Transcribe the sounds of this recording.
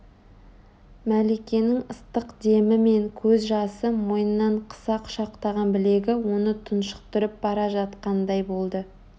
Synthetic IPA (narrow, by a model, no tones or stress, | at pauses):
mæle̞kʲe̞nɪŋəst̪əqd̪e̞mɪme̞ŋkʲʰɵzʒɑsəmojənːɑɴqʰə̥sɑqʰʊ̥ʃɑqt̪ɑʁɑnbɪle̞ɡʲɪwo̞nət̪ʰʊnʃə̥q̚t̪ʏɾɪp̚bɑɾɑʒɑt̪qɑnd̪ɑjbo̞lˠd̪ə